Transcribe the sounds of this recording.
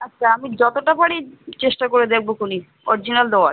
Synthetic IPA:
atːɕʰaamid͡ʑɔt̪oʈapaɽit͡ɕeʃʈakoɾed̪ek̚ʰbokuni | ɔ̰ɾid͡ʑinald̪ɛwa̰

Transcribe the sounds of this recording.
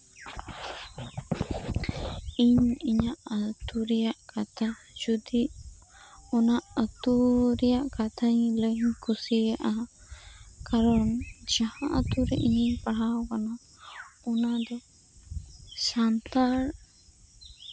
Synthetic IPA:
iɲiɲaʔət̪uɾɛjaʔkat̪ʰa | d͡ʒud̪iʔ | ɔnaʔət̪uɾɛjaʔkat̪ʰaɲləɲkʰusiaʔa | kaɾɔnd͡ʒahãʔət̪uɾɛʔiɲipaɽawkana | ɔnad̪ɔ | sant̪aɾ

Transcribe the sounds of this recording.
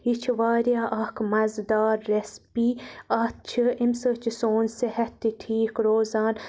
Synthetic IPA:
it͡ʃʰʋaːɾjaːʔɐkʰmɐzd̪aːɾːespiːɐt̪̚t͡ʃʰɨimsəːt͡ʃʰisoːnsehɐt̪ːiʈʰiːkɾoːzaːn

